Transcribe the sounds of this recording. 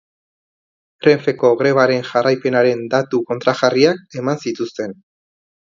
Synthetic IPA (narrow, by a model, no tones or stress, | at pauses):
re̞ɱfe̞ko̞ɣɾe̞β̞aɾe̞nʝarajpe̞naɾe̞nd̪at̪uko̞nt̪ɾaʝariak̚e̞mansit̪ust̪e̞n